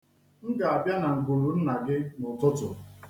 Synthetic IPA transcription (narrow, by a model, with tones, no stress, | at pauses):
n̩˦ɡa˨a˨bja˦na˨ŋ̩˨ku˨ɾu˨n̩˦na˨ɡɪ˦nʊ˨tʊ˦tʊ̰˨